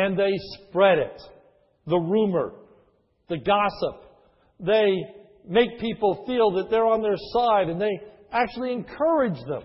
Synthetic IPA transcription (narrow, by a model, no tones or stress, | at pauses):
ɨ̃nðeɪspɹɛɾɪ̰t̪̚ | ðəɹumə̰˞ | ðɨɡɑsəp̚ | ðeɪ | meɪk̚pʰipl̩ˠfilˠðɨt̪̚ðə˞ə̃nðə˞saɪɾɨ̃nðeɪ | æk̚t͡ʃʉl̩ˠiɨ̃nkʰɜ˞ɪd͡ʒðə̰̃m